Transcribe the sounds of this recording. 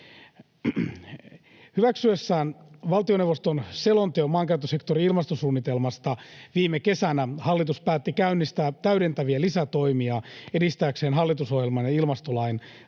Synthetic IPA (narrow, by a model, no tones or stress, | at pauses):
hyʋæksyesːæːnʋɑlt̪ionewʋːost̪onselont̪eomːɑːŋkæyt̪ːøse̞kt̪oɾiilmɑst̪osuːnːit̪e̞lmɑst̪ɑʋiːmeke̞sænæhɑlːit̪uspæːt̪ːikæynːist̪æt̪æyɾe̞nt̪æʋiælisæt̪o̞imiɑedist̪æːkseːnɦɑlːit̪usohjelmɑnjɑilmɑst̪olɑjn